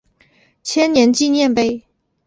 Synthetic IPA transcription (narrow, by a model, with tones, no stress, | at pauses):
t͡ɕʰjɛ˥njɛ˧˥nt͡ɕi˥˧njɛ˥˧npe˥˩ɪ